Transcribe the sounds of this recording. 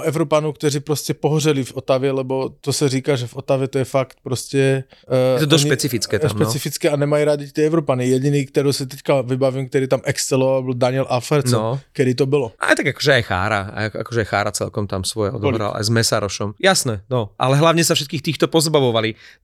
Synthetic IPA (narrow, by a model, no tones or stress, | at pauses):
ɛʊɾɔpanɔʊkt̪ɔɾiːpɾɔscɛpɔɦrɛlifɔt̪aʋjɛlɛbɔt̪ɔsaɾiːkaʒɛvɔt̪aʋjɛt̪ɔjɛfakt̪̚pɾɔscɛ | t̪ɔd̪ɔʃɲpɛt͡sifit͡skɛːt̪aʃmpɛt͡sifit͡skɛanɛmajiɾad̪it̪ɪɛɛʊɾɔpanijɛɟiniːkt̪ɛɾɔːsit̪ɛckaʋibaʋiːmk̚t̪ɛɾiːt̪amʔɛkst͡sɛlɔʋaabild̪aɲɪɛlʔafɛɾt͡snɔkɛd̪iːt̪ɔbɔlɔʔa̰jt̪aɡakɔʒɛajxa̰ːɾa̰a̰a̰kɔʒɛajxaːɾat͡sɛ̰lkɔmt̪amsʋɔjɛɔ̰d̪ɔɔlbiɾa̰a̰jzmɛsaɾɔʃɔmjasnɛnɔʔa̰lɛɦlaʊɲɛsafʃɛt̪̚kiːxt̪iːxt̪ɔpɔzbaʋɔʋali